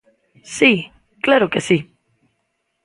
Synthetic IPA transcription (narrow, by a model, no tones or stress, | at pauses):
si | klaɾo̞kesi